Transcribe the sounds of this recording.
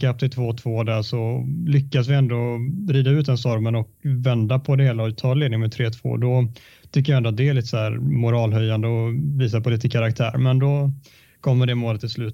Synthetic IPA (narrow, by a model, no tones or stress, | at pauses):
kap̚t̪ʰɪlt̪ʰvoːt̪ʰvoːd̪æʂɔlʏkːasvɪɛnd̪oːɾiːd̪aʉ̟t̪̚d̪ɛnst̪ɔɾmənɔkvɛnd̪apʰɔd̪ɛheːlaɔt̪ʰɑːneːd̪nɪŋmɛt̪ʰɾeːt̪ʰv̥o̰ːd̪ɔ | t̪ʰʏkːəjaɛnd̪ʊat̪̚d̪ɛliːt̪əsæːɾmʊɾɑːlɦœjːand̪əɔviːs̬apʰɔliːt̪əkʰaɾakt̪ʰæːɾmɛnd̪ɔ | kʰɔmːəɖɛmoːlət̪ːʰɪlslʉ̟ːt̪